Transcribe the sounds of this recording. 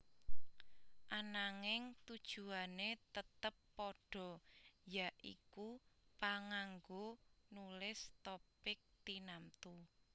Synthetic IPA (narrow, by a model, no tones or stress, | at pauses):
ʔanaŋɪŋt̪ud̥ʒ̥ṳanet̪ət̪əpːɔɖ̥ɔ̤jaʔḭkupaŋaŋɡonulɪst̪opɪk̚t̪inamt̪u